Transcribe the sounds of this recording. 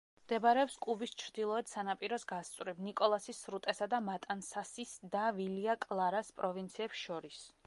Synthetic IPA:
md̪ɛbaɾɛɔpskʼubist͡ʃʰɾd̪ilˠɔɛd̪sanapʼiɾɔsɡast̪sʼwɾɛbnikʼɔlˠasisɾut̪ʼɛsad̪amat̪ʼansasisd̪aviliakʼlˠaɾaspʼɾɔvint̪sʰiɛpsʃɔɾis

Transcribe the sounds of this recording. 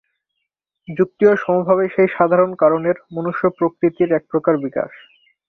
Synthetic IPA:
d͡ʑuk̚t̪ioʃɔmobʱaβeʃejʃad̪ʱaɾonkaɾoneɾmonuʃːopɾokɾit̪iɾɛk̚pɾokaɾbika̰ʃ

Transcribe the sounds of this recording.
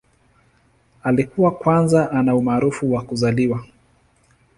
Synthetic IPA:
alikuwakwanzaʔanaumaːɾufuwakuzaliwa

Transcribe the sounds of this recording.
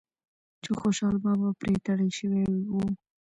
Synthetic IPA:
t͡ʃoxoʃɑlbabapɾet̪aɽəʃəwewiwu

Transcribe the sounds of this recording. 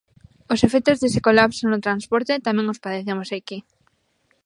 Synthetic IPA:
osefek̚t̪ozðese̥kolapsonot̪ɾanspoɾt̪et̪amẽŋospaðeθemosajki

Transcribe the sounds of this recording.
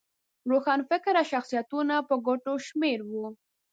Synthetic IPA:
ɾoxɑnfɪkɾaʃaxsijat̪unapəɡoʈoʃmeɾwu

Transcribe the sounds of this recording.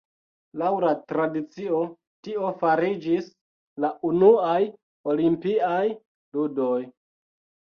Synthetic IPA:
lawlatɾadit͡sio̞ | tio̞faɾid͡ʒis | laʔunuaj | o̞limpiaj | ludo̞j

